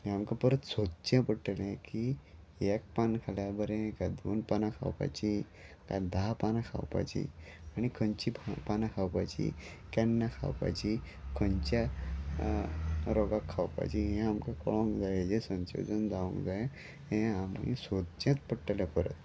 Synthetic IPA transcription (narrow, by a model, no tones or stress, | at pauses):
ɦĩamkãpəɾət̪sod̪̚t͡ɕãpəʈəlẽki | ek̚pankʰaljabəɾẽkad̪onpanakʰa̰wpa̰t͡ɕi | ka̰d̪ʱapanakʰa̰wpa̰jt͡ɕḭaɽ̃ikʰəɲt͡ɕippanãkʰawpajt͡ɕḭ | kɛnːakʰa̰wpa̰jt͡ɕi | kʰəɲt͡ɕja | ɾɔɡakʰːawpa̰jt͡ɕiɦɛ̃amkãkɔɭõŋkd͡zajd͡ʑesə̃nso̰d̪ənd͡zaʋṵ̃ŋkd͡zaje | ɦẽamḭ̃sod̪̚t͡ɕãt͡spəʈːəljapəɾə̰t̪